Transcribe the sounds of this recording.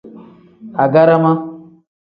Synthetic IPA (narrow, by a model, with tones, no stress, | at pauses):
a˨ɡa˦ɾa˦ma˦